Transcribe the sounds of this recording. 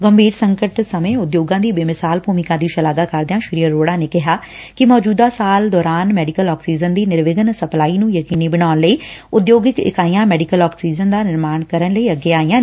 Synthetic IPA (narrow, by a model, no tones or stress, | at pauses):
ɡəmbʱiːɾsə̃ŋkəʈsəmẽːʊd̪joːɡãːd̪iːbeːmɪsaːlbʱuːmɪkãːd̪iːʃəlaːɡaːkəɾd̪eãːʃʊɾiːəɾoːɽãːneːkɪɦaː | kɪmɔːd͡ʒuːd̪aːsaːld̪ɔːɾaːnmɛːɖɪkəlɔːksiːd͡ʒənd̪iːnɪɾʋɪɡənsəplaːiːnũːjəkiːniːbənaːʊnləiːʊd̪joːɡɪkɪ̰kaːijãːmɛːɖɪkəlɔːksiːd͡ʒənd̪aːnɪɾmaːnkəɾənləiːəɡːeːaːiːãː